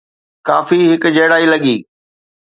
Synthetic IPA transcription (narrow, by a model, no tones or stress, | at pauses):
ka̰ːfiɦɪkʊd͡ʑɐːɽaːilɐɠiː